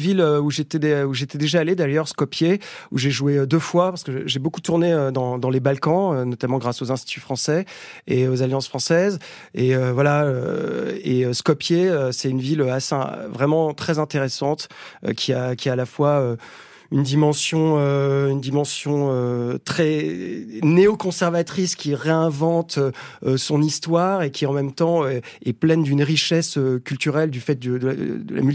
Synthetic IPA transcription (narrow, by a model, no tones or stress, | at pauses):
viløuʒet̪ɛd̪ɛuʒet̪ɛd̪eʒaːled̪ajœʁskɔpjeṵʒeʒueød̪øfwapaʁskəʒebokut̪uʁneød̪ɑ̃d̪ɑ̃lebalkɑ̃ønɔt̪amɑ̃ɡʁasozɛ̃st̪i̥t̪yfχɑ̃sɛeozaljɑ̃sfχɑ̃sɛz | eøvwalaø̰ | ḛøskɔpjeøsɛynviløasḛvʁɛmɑ̃t̪χɛzɛ̃t̪eʁesɑ̃t̪ø̰kʲʰiakʲialafwaø | ynd̪imɑ̃sjɔ̃øynd̪imɑ̃sjɔ̃øt̪χɛ | neɔkɔ̃sɛʁvat̪χiskʲiʁeɛ̃vɑ̃t̪øsɔ̃nist̪waʁekʲiɑ̃mɛmt̪ɑ̃øɛplɛnd̪ynʁiʃɛsøkʲylt̪yʁɛld̪yfɛt̪̚d̪əd̪ə̰d̪ə̰la̰myl